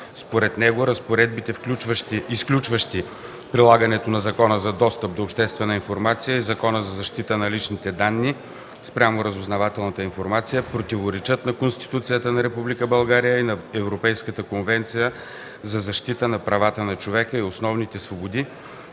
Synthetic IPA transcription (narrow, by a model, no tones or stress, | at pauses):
spoɾɛt̪nɛɡoɾəspoɾɛd̪bit̪ɛfklʲut͡ʃvəʃt̪iisklʲut͡ʃvəʃt̪i | pɾilˠaɡənɛt̪onɐzɐkɔnəzɐd̪ɔst̪əp̚d̪oːpʃt̪ɛst̪vɛnəinfoɾmat̪sijəizɐkɔnəzɐzɐʃt̪it̪ənɐlit͡ʃnit̪ɛd̪anːi | spɾʲamʊɾəzʊznɐvat̪ɛlˠnɐt̪əinfoɾmat̪sijəpɾot̪ivoɾɛt͡ʃət̪nɐkonst̪i̥t̪ut̪sijət̪ənɐɾɛpublikəbɐlˠɡaɾijəinɐɛvɾopɛjskət̪əkonvɛnt̪sijə | zɐzɐʃt̪it̪ənɐpɾɐvat̪ənɐt͡ʃovɛkəiosnɔvnit̪ɛsvobod̪i